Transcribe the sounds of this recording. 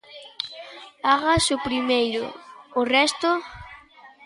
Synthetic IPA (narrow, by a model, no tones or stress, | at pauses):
aɣasʊpɾimejɾʊ̰ːrɛst̪o